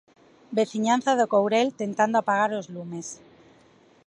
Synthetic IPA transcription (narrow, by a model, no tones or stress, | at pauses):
be̞θiɲan̟θaðokowɾe̞lt̪e̞nt̪and̪oapaɣ̞aɾlozlume̞s